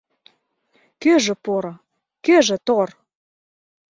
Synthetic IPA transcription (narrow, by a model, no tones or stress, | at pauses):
køʒĕpoɾo | køʒĕt̪or